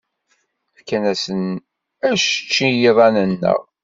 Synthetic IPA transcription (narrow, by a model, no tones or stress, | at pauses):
kːænæsən | æʃt͡ʃːijiðˤɑnənːə̰ʁ